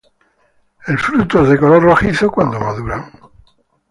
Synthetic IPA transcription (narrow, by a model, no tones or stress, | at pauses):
elfɾut̪oezðekolorroxiθokwand̪omaðuɾaŋ